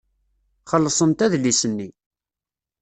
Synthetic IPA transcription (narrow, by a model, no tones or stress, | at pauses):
χəlːəsˤənt̪æðlːisənːi